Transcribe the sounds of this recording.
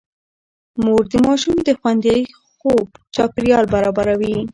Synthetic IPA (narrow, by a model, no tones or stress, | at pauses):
moɾd̪əmɑʃumd̪əxwand̪jɑi | xob̚t͡ʃɑpɪɾjɑlbaɾɑbaɾawi